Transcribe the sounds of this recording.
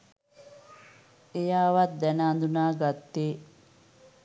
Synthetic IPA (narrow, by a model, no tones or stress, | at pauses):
ejaːʋat̪̚d̪ɛnəːnd̪unaːɡat̪ːeː